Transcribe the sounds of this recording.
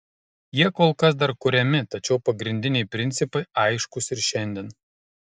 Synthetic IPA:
jiɛkoːlˠkɐs̬d̪ɐɾkʊɾʲɛmʲɪt̪ɐt͡ʃʲɛʊpɐɡɾʲɪnʲd̪ʲɪnʲɛɪpʲɾʲɪnʲt̪sʲɪpɐɪɐɪʃkʊsɪɾʃʲɛnʲd̪ʲɛːn

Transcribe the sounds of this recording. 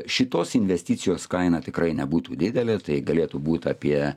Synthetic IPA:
ʃʲɪt̪oːsɪnʲʋʲɛsʲt̪ʲɪːsʲɪjoːskɐɪnɑːt̪ʲɪkrɐɪnʲɛbuːt̪uːd̪ʲɪd̪ʲɛlʲet̪ɐɪɡɐlʲeːt̪ubuːt̪ʲɑːpʲiɛ

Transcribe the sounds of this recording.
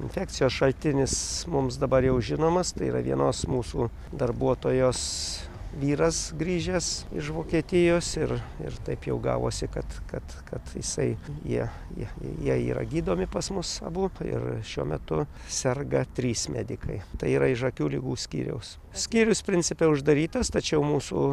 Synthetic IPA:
ɪ̰nʲfʲɛːk̚t͡sʲɪjoːsʃɐlʲt̪ʲɪnʲɪsmʊmsd̪ɐbɐɾjɛʊʒʲɪnoːmɐst̪ɐɪiːɾɐ̰ʋʲḭɛnoːsmuːsuː | d̪ɐrbuɔt̪oːjoːs | ʋʲiːɾɐsɡɾʲiːʒʲesɪ̰ʃʋoːkʲiɛt̪ʲɪjoːsɪrɪ̰rt̪ɐɪpjɛʊɡɑ̰ːʋo̰ːsʲɪkɐt̪kɐt̪kɐt̪jɪ̰sɐɪjiɛ | jḭɛ̰jiɛiːɾɐ̰ɡʲiːd̪oːmʲɪpɐsmʊsɐ̰buɪ̰rʃʲuɔmʲɛ̰t̪ʊ | sʲɛrɡɐt̪ʲɾʲiːsmʲæ̰ːd̪ʲɪkʰɐɪt̪ɐɪiːɾɐɪʃɐkʲuːlʲɪɡuːsʲkʲḭːɾʲɛ̰ʊs | sʲkʲiːɾʲʊspʲɾʲɪnʲt͡s̪ʲsʲɪpʲɛʊʒd̪ɐɾʲiːt̪ɐst̪ɐt͡ʃʲɛʊmuːsṵː

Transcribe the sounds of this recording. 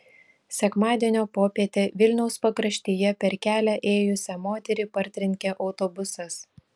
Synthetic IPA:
sʲɛkmɑːd̪ʲiɛnʲoːpoːpʲiɛt̪ʲeːʋʲɪlʲnʲɛʊspɐkɾɐʃʲt̪ʲiːjɛpʲɛɾkʲæːlʲæʔeːjʊsʲɛmoːt̪ʲɛɾʲɪpɐɾʲt̪ʲɾʲɪŋʲkʲeʔɒʊt̪ɔbʊsɐs

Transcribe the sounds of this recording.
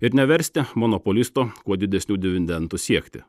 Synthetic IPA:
ɪɾnʲɛʋʲɛɾʲsʲt̪ʲɪmɔnɔpɔlʲɪst̪okuɔd̪ʲɪd̪ʲɛsʲnʲuːd̪ʲɪʋʲɪnʲd̪ʲɛnt̪usʲiɛkt̪ʲɪ̰

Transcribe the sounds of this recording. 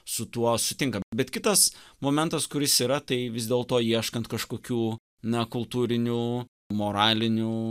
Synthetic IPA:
sʊt̪uɔsʊt̪ʲɪŋkɐbʲɛt̪kʲɪt̪ɐsmoːmʲɛnt̪ɐskʊɾʲɪsiːɾɐt̪ɐɪʋʲɪzd̪ʲeːlˠt̪oːiɛʃkɐnt̪kɐʃkoːkʲuː | nɐkʊlˠt̪uːɾʲɪnʲuː | moːɾɑːlʲɪnʲuː

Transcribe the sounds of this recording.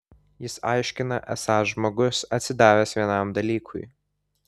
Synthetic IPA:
jɪsɑɪʃʲkʲɪnɐʔɛsɑːsʒmoːɡʊsɐt̪ʲsʲɪd̪ɑːʋʲɛsʋʲiɛnɑˑmd̪ɐlʲiːkʰʊ̰ɪ

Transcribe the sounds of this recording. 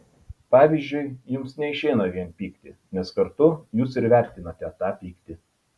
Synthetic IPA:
pɑːʋʲiːˑzʲd͡ʒʲʊɪjʊmsnʲɛɪʃʲɛɪnɐʋʲiɛnpʲiːkt̪ʲɪnʲɛskɐɾt̪ʊjuːs̬ɪɾʋʲæˑɾʲt̪ʲɪnɐt̪ʲɛt̪ɑːpʲiːkt̪ʲɪ

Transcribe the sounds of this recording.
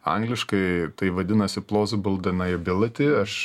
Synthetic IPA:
ɐ̰ŋɡlʲɪʃkɐɪt̪ɐɪʋɐd̪ʲɪnɐsʲɪplˠoːzʲɪbʊlˠd̪ɐnɐjɪbʲɪlˠɐt̪ʲɪɐʃ

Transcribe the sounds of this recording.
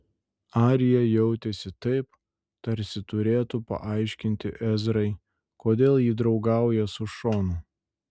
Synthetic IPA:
ɑːɾʲɪjɛjɛʊt̪ʲɛsʲɪt̪ɐɪp | t̪ɐɾʲsʲɪt̪ʊɾʲeːt̪upɐ̰ʔɑˑɪʃʲkʲɪnʲt̪ʲɪʔɛzɾɐɪ | koːd̪ʲeːlˠjiːd̪ɾɒʊɡɑˑʊjɛsʊʃoːnʊ

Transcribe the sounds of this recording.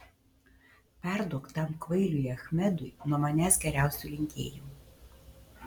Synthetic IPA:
pʲæˑɾd̪uɔkt̪ɐmkʋɐɪlʲujɐxʲmʲɛd̪ʊɪnuɔmɐnʲæːsɡʲɛɾʲæˑʊsʲuːˑlʲɪŋʲkʲḛːjum

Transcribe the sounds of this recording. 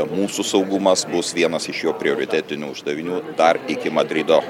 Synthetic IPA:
muːsusɒʊɡʊmɐsbʊsʋʲiɛnɐsɪʃjoːpʲɾʲɪoːɾʲɪt̪ʲæːt̪ʲɪnʲuʊʒd̪ɐʋʲɪnʲuːd̪ɐrɪkʲɪmɐd̪ʲɾʲɪd̪oː

